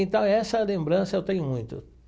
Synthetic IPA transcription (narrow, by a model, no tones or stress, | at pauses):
ẽnt̪ɐ̃w̃ɛsɐlẽmbɾɐ̃sɐewt̪ẽɲʊmũj̃t̪ʊ̰